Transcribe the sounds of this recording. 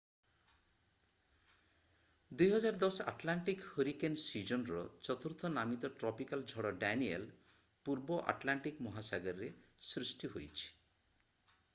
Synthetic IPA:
d̪ujɦɔd͡ʒaɾd̪ɔsa̰ʈlaɳʈikhoɾikensid͡ʒɔnɾɔ̰t͡ʃɔt̪uɾt̪ʰɔnamit̪ɔʈɾɔpikald͡ʒʱɔɽɔɖaniḛl | puɾbɔʔa̰ʈlaɳʈikmɔɦasaɡɔɾɾe | sɾisʈiɦojt͡ʃʰi̥

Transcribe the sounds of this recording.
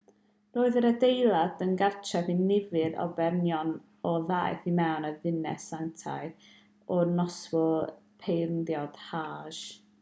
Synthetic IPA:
roːɨðəɾədejlˠad̥ənɡart͡ʃʰɛðinɪvɨɾɔ̰bɛrnjɔn | ɔðajθimɛwnəðɪnɛ̰santʰa̰ɨ | ɔnɔsvʊlˠpʰejrndjɔd̥haːʒ̥

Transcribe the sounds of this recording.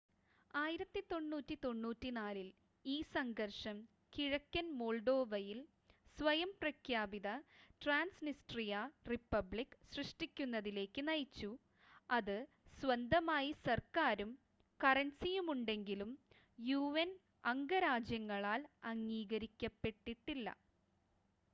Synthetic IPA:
aːjiɾɐt̪ːit̪o̞ɳːuːtːit̪o̞ɳːuːtːinaːlil | iːsɐŋɡɐrʂɐm | kiɻɐkʲːɐnmo̞ːɭɖo̞ːʋɐjil | sʋɐjɐmprɐkʰjaːbiðɐʈraːnsnisʈrijaripːɐbɭikːsrɨʂʈikʲːunːɐðile̞ːkːɨnɐjt͡ɕːu | ɐðɨ | sʋɐnd̪ʱɐmaːjisɐrkaːɾum | kɐrɐnsijumuɳɖe̞ŋɡilum | juʋen | ɐŋɡɐɾaːd͡ʑjɐŋːɐɭaːlɐŋːiːɣɐɾikʲːɐpːe̞ʈːiʈːilːɐ̰

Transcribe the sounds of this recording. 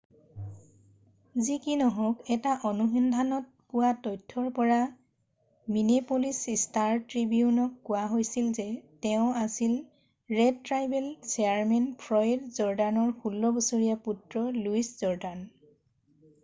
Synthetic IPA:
zikinɔɦɔkɛtaʔɔnuɦindʱanɔt̚pʊwatɔjtʰːɔɹpɔɹa | minepolisistaɹtɹibiunɔkːʊwaɦojsilzɛtɛʊ̃asil | ɹɛdtɹajbɛlsɛaɹmɛnpʰɹɔjdzɔɹdanɔɹkʰulːɔbɔsoɹijaputɹɔluisz̥ɔɹdan

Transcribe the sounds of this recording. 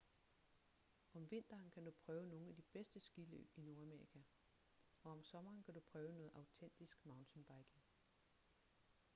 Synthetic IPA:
ʔɒ̽mʋe̝n̰d̥ɐːnkʰæd̥upʰʁœːʊno̝ːn̩æd̥ib̥esd̥əsɡ̥ilø̰ːb̥ino̝ɐæmeikʰæ | ɒ̽ɒ̽msɒ̽mɐːnkʰæd̥upʰʁœːʊnɔ̽ːð̩ˠʔɑ̈ʊt͡sʰen̰d̥isɡ̥mɑ̈ʊnt͡sʰenb̥ɑ̈ɪɡ̥eŋ

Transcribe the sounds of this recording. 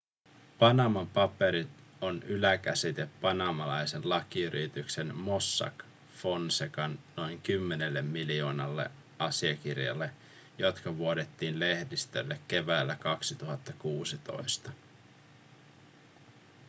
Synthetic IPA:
pɑnɑmɑmpɑpe̞ɾit̪ | o̞nʔylækæsit̪epːɑnɑmɑlɑjsenlɑkiyɾʔit̪ykse̞nmo̞sːɑ̰k | fo̞nsekɑnːo̞jŋkymːe̞ne̞lːe̞mːilio̞ːnɑlːe̞̰ | ʔɑsiɑkirjɑ̰lːe̞ | jo̞t̪kɑʋuo̞det̪ːiːnle̞hdist̪ø̰lːekːe̞ʋæːlːækɑksit̪uɦɑt̪ːɑkuːsit̪o̞̰jst̪ɑ

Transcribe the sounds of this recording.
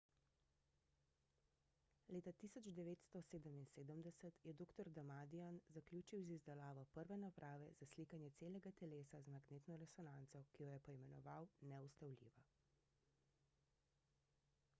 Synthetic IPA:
leːt̪at̪iːsɔd͡ʒd̪ɛʋeːt̪st̪ɔseːd̪əminseːd̪əmd̪ɛsət̪jɛd̪oːkt̪ɔɾd̪amad̪ianzakljuːt͡ʃiwzizd̪ɛlaːʋɔpəɾʋɛnapɾʔaːʋɛz̥asliːkanjɛt̪seːlɛɡat̪ɛleːsazmaɡneːt̪nɔɾɛsɔnaːnt̪sɔkijɔjɛpɔimɛnɔ̰ʋawnɛust̪awlʲḭːʋa

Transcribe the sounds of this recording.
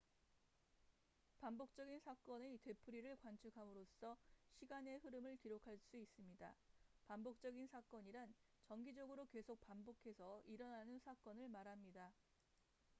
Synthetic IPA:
pambok̚t͡ɕ͈ʌɡinsʰak͈ʌneite̞pʰɯɾiɾɯɭkwant͡ɕʰɯkʰamɯɾos͈ʰʌɕʰiɡane̞ɸɯɾɯmɯɭkiɾokʰaɭs͈uis͈ɯmɲidapambok̚t͡ɕ͈ʌɡinsʰak͈ʌɲiɾan | t͡ɕʌŋɡid͡ʑʌɡɯɾoke̞sʰok̚pambokʰe̞sʰʌiɾʌnanɯnsʰak͈ʌnɯɭmaɾɦamɲida

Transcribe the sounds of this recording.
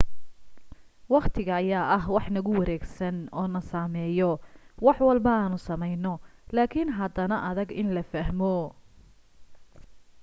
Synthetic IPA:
wɑqt̪ʰɪɣɐːjaːɐɦwɑħnɐɣʊwɑɾɛːɡsɐnɔːnɐsaːmɛːjɔwɑħwɑlbɐaːnʊsɐmɛjnɔlaːkʰinɦɐd̪ɐnɐʔɐðɐɡɪnlɐfɐɦmɔ

